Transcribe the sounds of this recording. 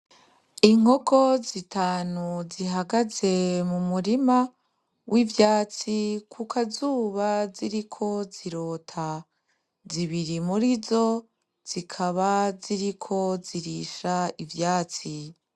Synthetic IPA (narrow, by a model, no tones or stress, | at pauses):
iŋ̥ho̞kʰo̞zitʰaːnuziɦaɡaze̞mumuɾima | wʔivjaːt͡sikʰukʰazuːβaziɾikʰo̞ziɾotʰa | ziβiɾimuɾizo̞ | z̥ikʰaβaziɾikʰo̞ziɾiʃaivjaːt͡si